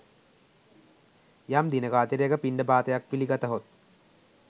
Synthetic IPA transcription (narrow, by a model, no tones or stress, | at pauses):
jɐmd̪inɐɡaːt̪iɾeɡɐpiɳɖɐbaːt̪ɐjɐk̚piliɡɐt̪ɐɦot̪̚